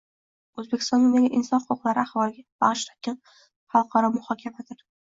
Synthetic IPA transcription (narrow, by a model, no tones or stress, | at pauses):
ɵzbekʲʰɪst̪ɒnd̪ɪmd̪aɡʲaʔɪnsɒnχʊqʰʊqlˠaɾɪaχvɒlˠɪɡʲab̥ɑʁʃt̪ʰḁkʲɪn | χɑlˠqʰɑɾɒmʊhɒkʲʰamad̪ɪɾ